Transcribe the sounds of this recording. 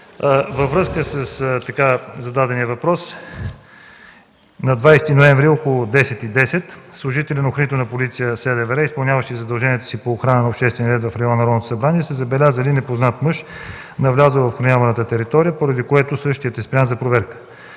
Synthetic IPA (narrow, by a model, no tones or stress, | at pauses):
vəvɾɤskəsəst̪ɐkazɐd̪ad̪ɛnijəvɐpɾɔs | nɐd̪vajst̪inoɛ̃ɱvɾiɔkolˠʊd̪ɛsɛt̪id̪ɛsɛt̪slˠʊʒit̪ɛlʲɛnoxɾənit̪onɐpolit̪sijəsɛlɛvɛɾɛispɐlˠnʲavəʃt̪izɐd̪ɐlˠʒɛniɛt̪ə̥sipoːxɾanənɐopʃt̪ɛst̪vɛnjɾɛt̪vɐfɾɛɔnːɐɾɔd̪not̪o̥sɐbɾaniɛsɛzɐbɛlʲazəlinɛpoznat̪məʃ | nɐvlʲazəvɐfxɾɐnʲavɐnət̪ət̪ɛɾit̪ɔɾijəpoɾɐd̪ikoɛt̪osɤʃt̪ijət̪ɛspɾʲianzɐpɾovɛɾkə̥